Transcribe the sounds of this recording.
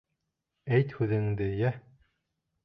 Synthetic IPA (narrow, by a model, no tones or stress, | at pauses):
æjt̪hʉðɘ̆ŋd̪ɘjæ